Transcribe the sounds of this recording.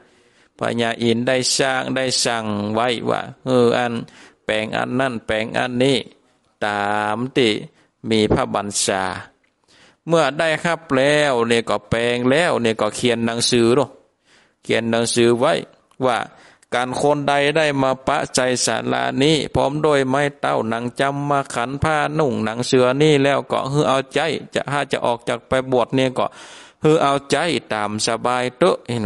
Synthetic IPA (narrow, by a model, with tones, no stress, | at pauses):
pʰa̰˧ɲaː˧ʔi˨nda˧˩jsa˧˩ŋda˧˩jsa˧˩ŋwa˧˥˩jwa̰ː˧˩hɯː˧˩ʔa˧npɛː˨˩ŋʔa̰˧˨nːa˧˥˩npɛː˨˩ŋʔa̰˧˨nːiː˧˩ | t̪aː˨mt̪iː˧˩ | miː˧˨pʰa˧ba˨nsaː˧˦ | mɯ˧ɐda˥˩˨jkʰa˧˩˨p̚lɛː˧wniː˧˩kɔː˧˩pɛː˨˧ŋlɛː˧˩˨wniː˧˩kɔː˧˩kʰi˨ənːa˧˦ŋsɯː˧˦nɔ˧˩˨ | kʰi˨ənːa˨˦ŋsɯː˨˦wa˧˥˩j | waː˧˩ | kaː˨nkʰo˧˥˨nda˧jda˧˥˩jmaː˧pa̰˧˥ʔsa˨˧jsa̰˨˧˦nla̰˧˩niː˧˥˩pʰɔː˧˥˨mdoː˧˨jma˧˩jt̪a˧˩wna˧˦ŋt͡ɕa˧˥mːaː˧kʰa˧˦npʰaː˧˨nu˧˩˨ŋna˨˧˦ŋsɯ˧˦ɐniː˧˥˨lɛː˧˩˨wkɔ̰˧ɦɯː˧˨ʔa˧wt͡ɕa˧˥˩jt͡ɕa̰˧ʔɦaː˧˩t͡ɕa̰˧ʔɔː˨˩k̚t͡ɕaː˨˩k̚pa˧jbu˧˨˩ət̪̚niː˧˨kɔ̰˧˩ | hɯː˧˥ʔa˧˩wt͡ɕa˧˥˨jt̪aː˨˩msa˧baː˧jt̪ɤ˧ʔi˧